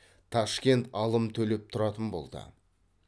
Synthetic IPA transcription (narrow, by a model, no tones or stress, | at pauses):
t̪ʰɑʃkʲe̞nt̪ɑlˠəmt̪ʰɵle̞p̚t̪ʰʊɾɑt̪ənbo̞̰lˠd̪ə̰